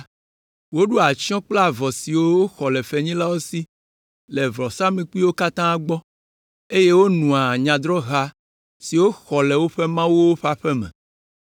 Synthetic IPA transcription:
wo˦ɖu˦a˨t͡ɕi˦ɔ̃˦k͡plɛ˦a˨vɔ˨si˨wo˦wo˦xɔ˨lɛ˨fɛ˨ɲĩ˦la˦wo˦si˦ | lɛ˨vɾɔ˨sã˦mẽ˨k͡pi˦wo˦ka˦t̪ã˦a˨ɡ͡bɔ˦ | e˦je˦wo˦nũ˨a˨ɲã˨d̪ɾɔ˦ɣa˦ | si˨wo˦xɔ˨lɛ˨wo˦ɸɛ˦mã˦wo˦wo˦ɸa˦ɸɛ˦mɛ̰̃˨

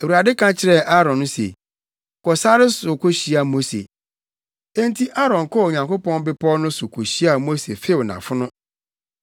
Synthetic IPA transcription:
e˨u˨ɾa˨dɪ˦kʰã˦t͡ɕʰɪ˨ɾɛ˦ʔa˦ɾɔ̃˨nːʊ̃˦sḛ˨ | kɔ˨sa˦ɾɪ˦sʊ˨kʰo˦ɕi˨a˨mo˦sḛ˨ | ẽ˦n˦tʰi˦ʔa˦ɾɔ̃˨ŋ˨kʰɔ˦˨ɲã˨ŋko˦pɔ̃˦nbɪ˦pʰɔ˦nʊ̃˦sʊ˨kʰo˨ɕi˦a˨mo˦sḛ˨fe˦˨wnã̰˨fʊ˦nʊ̃˦

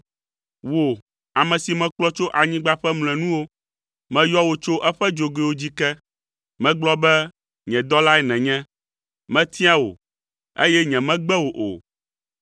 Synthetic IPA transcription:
wo˨ | a˨mɛ̃˨si˨mɛ̃˨k͡plɔ˦t͡ʃo˦ʔa˨ɲĩ˦ɡ͡ba˦ɸɛ˦ml̃ɛ̃˨nũ˦wo˦ | mɛ̃˨jɔ˦wo˨t͡ʃo˦ʔɛ˦ɸɛ˦d͡ʒo˨ɡe˨wo˦d͡ʑi˦kɛ˦ | mɛ̃˦ɡ͡blɔ˦bɛ˦ | ɲɛ̃˨d̪ɔ˦la˦ɛ˨nɛ̃˨ɲɛ̃˦ | mɛ̃˦t̪i˦a˦wo̰˨ | ḛ˦jɛ˦ɲɛ̃˨mɛ̃˦ɡ͡bɛ˦wo˨ʔo̰˨

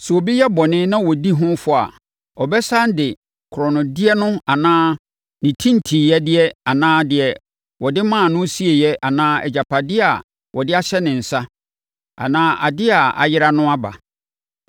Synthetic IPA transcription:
sɛ˨ɔ˨bi˦jɛ˦bɔ˨nɪ̃˦nã˦wɔ˨di˦ɦʊ̃˦fʊ˦a̰˨ | ɔ˨bɛ˦sa˦n˦dɪ˨ | kʰʊ˨ɾɔ˨nʊ̃˨dɪ˦ɛ˦nʊ̃˦a˨nãː˦ | nɪ̃˨tʰĩ˦n̩˨tʰiː˨jɛ˦dɪ˦ɛ˦a˨nãː˦dɪ˨ɛ˨ | wɔ˨dɪ˦mã˦˨nʊ̃˦si˦e˨jɛ˦ʔa˨nãː˦ɛ̰˨d͡ʑa˨pʰa˨dɪ˦ɛ˦a̰˨ | wɔ˨dɪ˦a˦ɕɛ˦nɪ̃˨n̩˨sa˦ | a̰˨nãː˦ʔa̰˨dɪ˦a˨a̰˨jɪ˦ɾa˦nʊ̃˦a˦ba̰˨

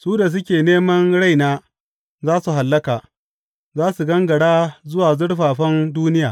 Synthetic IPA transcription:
suː˦da˨s̬ʊ˦kʲeː˨neː˦mɐ˦nɽa˦jnaː˦ | zaː˦su˨ɦa˨lːɐ˦kaː˨ | zaː˦su˨ɡɐ˦ŋɡɐ˨ɽaː˦zʊ˦waː˨zʊ˦ɽɸaː˨ɸɐ˦nduː˦nɪ˦jaː˨

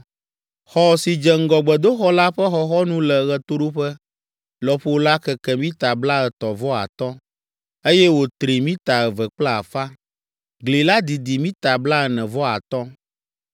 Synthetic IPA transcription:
xɔ˨si˨d͡ʒɛ˨ŋ̩˦ɡɔ˨ɡ͡bɛ˨d̪o˦xɔ˦la˦ɸɛ˦xɔ˨xɔ˦nũ˦lɛ˨ɣɛ˨t̪o˦ɖo˦ɸɛ˦ | lɔ˨ɸo˦la˦kɛ˨kɛ˨mĩ˦t̪a˨bla˦ɛ˨t̪ɔ˨vɔ˦a̰˨t̪ɔ˦ | e˦jɛ˦wo˨t̪ɾi˨mĩ˦t̪a˨ɛ˨vɛ˨k͡plɛ˦˨a˨fa˦ | ɡli˨la˦d̪i˨d̪i˨mĩ˦t̪a˨bla˦ɛ˨nɛ̃˨vɔ˦a˨t̪ɔ˦

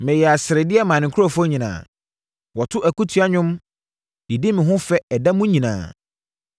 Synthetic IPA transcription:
mɪ̃˨jɛ˨a˨sɪ˨ɾɪ˨dɪ˦ɛ˦mãː˨nɪ̃˨kʰʊ˦ɾɔ˦˨fɔ˦ɲĩ˨nã̰ː˨ | wɔ˨tʰʊ˦ʔæ˨ku˦tʰu˨˦a˦ɲʊ̃˦m | i˨di˦mɪ̃˨ɦʊ̃˦fɛ˦ɛ˨da˦mʊ̃˦ɲĩ˨nã̰ː˨

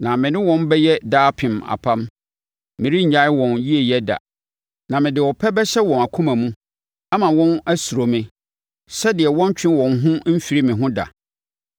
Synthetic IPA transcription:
nã˨mɪ̃˨nɪ̃˦wɔ̃˦nbɛ˦jɛ˦daː˦pʰɪ̃˨ma̰˨pʰã˦m | mɪ̃˨ɾi˦ɲ̩˨ɲa˦ɪ˦wɔ̃˨nji˦e˨jɛ˦da̰˨ | nã˨mɪ̃˨dɪ˨wɔ˨pʰɛ˦bɛ˦ɕɛ˦wɔ̃˨na˨kʰũ˦mã˨mũ˦ | a˦mã˨wɔ̃˦næ˦su˨ɾo˨mɪ̃˨ | sɛ˦dɪ˨ɛ˨wɔ̃˦n˦t͡ɕᶣʰɪ̃˦wɔ̃˨nɦʊ̃˦m̩˦fi˨ɾi˦mɪ̃˨ɦʊ̃˦da̰˨

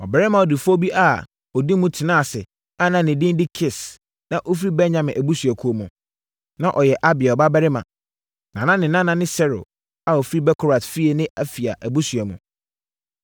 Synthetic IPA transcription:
ɔ˨bɛ˨ɾɪ˦mã˨ɔ˨dɪ˨fo˦bi˦ʔa˨ | ɔ˨di˦mũ˦tʰɪ˨nã˦˨sɪ˨ | a˦nã˨nɪ̃˨dɪ̃˦n˦dɪ˦kʰɪ˦s | nã˦˨ʔo˦fɾi˦bɛ˦ɲã˨mɪ̃˨ʔæ˨bu˦sɥɛ˨kʰu˨o˨mũ˨ | nã˦ʔɔ˨jɛ˨ʔa˦bɪ˨a˨ɔ˨ba˦bɛ˦ɾɪ˦mã̰˨ | nã˨nã˦nɪ̃˨nã˦nã˨nɪ̃˦sɛ˦ɾʊ̰˨ | a˨ɔ˨fɾi˦bɛ˦kʰʊ˦ɾa˨tfi˦e˨nɪ̃˦ʔæ˦˨fi˨a̰˨ʔæ˨bu˦sɥɛ˨mṵ̃˨

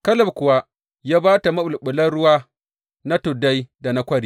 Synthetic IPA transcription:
kɐ˦lɐ˦˨bkʷʊ˨wa˦ | jaː˦baː˦ta˨mɐ˦ɓʊ˨lɓʊ˨lɐ˦ɽʊ˦waː˦ | na˦tʊ˨da˦jda˨na˦kʷɐ˦ɽiː˦

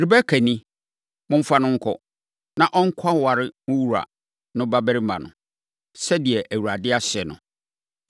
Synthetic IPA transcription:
ɾi˨bæ˦kʰæ˨nĩ˦ | mʊ̃˦m̩˦fa˦nʊ̃˦ŋ̩˦kʰɔ˦ | nã˨ʔɔ˦ŋ̩˦kʰa˦wa˨ɾɪ˦mʊ̃˦wu˦ɾa̰˨ | nʊ̃˦ba˦bɛ˦ɾɪ˦mã̰˨nʊ̰̃˨ | sɛ˦dɪ˨ɛ˨ʔæ˨wu˨ɾa˨dɪ˦a˦ɕɪ˨ɛ˨nʊ̃˨

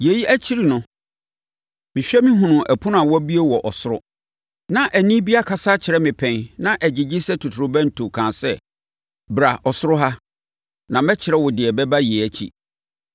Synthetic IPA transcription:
je˨ji˦ʔæ˦t͡ɕʰi˦ɾi˨nʊ̃˨ | mɪ̃˨ɕᶣɛ˦mĩ˦ɦʊ̃˨nʊ̃˨ʔæ˨pʰũ˦nʊ̃˦a˨wɔ˦bi˦e˦wɔ˨ʔɔ˨sʊ˦ɾʊ̰˦ | nã˨ʔæ˨nĩ˦bi˦a˦kʰa˦saː˦t͡ɕʰɪ˨ɾɛ˦mɪ̃˨pʰɛ̃˨nnã˦ʔæ˨d͡ʑɪ˨d͡ʑɪ˦sɛ˦tʰu˨tʰʊ˨ɾʊ˨bæ̃˦n̩˨tʰo˨kʰã˨sɛ˦ | bɾa˨ɔ˨sʊ˦ɾʊ˦ɦa˦ | nã˨mɛ˦t͡ɕʰɪ˨ɾɛ˦wɔ˨dɪ˨ɛ˨bɛ˦ba˦jɛ˨æ˨t͡ɕʰḭ˨

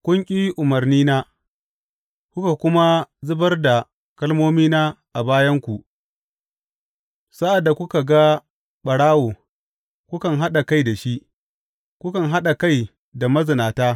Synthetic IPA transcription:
kʷʊ˦ŋkʲʼi˦ʔʊ˨mɐ˨rniː˦naː˦ | kʷʊ˦ka˨kʷʊ˦ma˦zʊ˦bɐ˦rda˨ | kɐ˦lmoː˦miː˦naː˦ʔa˨baː˦jɐ˦ŋkʷu˨ʔ | sa˦ʔa˨dːa˨kʷʊ˦ka˨ɡa˦ | ɓɐ˨ɽaː˦woː˨ | kʷʊ˦kɐ˨ŋɦa˦ɗa˨ka˦jda˨ʃi˦ʔ | kʷʊ˦kɐ˨ŋɦa˦ɗa˨ka˦˨j | da˨mɐ˦zɪ˨naː˨taː˦

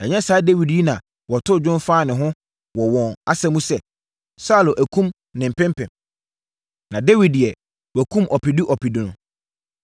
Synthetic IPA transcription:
ɛ˨ɲɛ̃˦saː˨˦de˦wi˨dji˦nã˨ | wɔ˨tʰʊ˦˨d͡ʑᶣʊ̃˦nfaː˦˨nɪ̃˨ɦʊ̃˦ | wɔ˨wɔ̃˨na˦sɛ˦mũ˦sɛ˨ | sa˦˨lʊ˨ʔæ˨kʰũ˦m | nɪ̃˨m̩˨pʰɛ̃˦m˦pʰɛ̃˨m | nã˨de˦wi˨di˨ɛ˨ | wɔ˨kʰũ˦mʔɔ˨pi˨di˦ʔɔ˨pi˨di˨nʊ̃˨

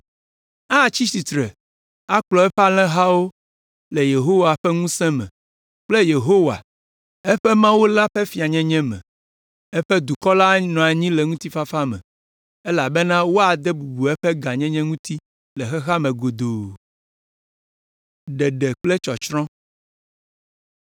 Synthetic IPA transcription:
a˦˨t͡ɕi˦si˨t̪ɾɛ˨ | a˦k͡plɔ˨ɛ˦ɸa˦lɛ̃˦ɦa˦wo˦ | le˨je˨ɦo˦wa˨ɸɛ˦ŋũ˦sɛ̃˦mɛ̰̃˨ | k͡plɛ˦je˨ɦo˦wa̰˨ | ɛ˦ɸɛ˦mã˦wo˦la˦ɸɛ˦fi˨a˨ɲɛ̃˦ɲɛ̃˦mɛ̰̃˨ | ɛ˦ɸɛ˦d̪u˨kɔ˦la˦nɔ̃˨a˨ɲĩ˦lɛ˨ŋũ˦t̪i˦fa˦fa˦mɛ̰̃˨ | ɛ˦la˨bɛ˦nã˦wo˦a˨d̪ɛ˦bu˨ɡ͡bu˨ɛ˦ɸɛ˦ɡa˨ɲɛ̃˦ɲɛ̃˦ŋũ˦t̪i˦ | lɛ˨xɛ˦ɦa˦mɛ̃˨ɡo˨d̪o˨ | ɖɛ˨ɖɛ˨k͡plɛ˦t͡ʃɔ˨t͡ʃɾɔ̃˦

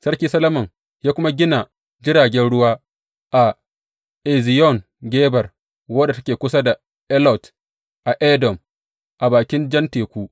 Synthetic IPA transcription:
sɐ˦rkʲiː˦sɐ˦lɐ˦mɐ˨ŋ | jaː˦kʷʊ˦ma˦ɡʲɪ˦na˨ | d͡ʒɪ˦ɽaː˨ɡʲɛ˦nɽʊ˦waː˦ | ʔa˨ | ʔɛ˨zi˨jɔ˦˨ŋ | ɡʲeː˦bɐ˨r | wɐ˦da˨tɐ˦kʲeː˨kʷʊ˦sa˦da˨ | ʔɛ˦lɔ˨t | ʔa˨ʔɛ˦dɔ˨m | ʔa˨baː˨kʲɪ˦nd͡ʒɐ˦nteː˨kʷuː˦

